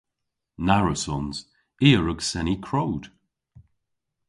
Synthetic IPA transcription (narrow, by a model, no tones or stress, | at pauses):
naɹəsɔnz̥ | iːəɹəɡsɛnikʰɹowd̥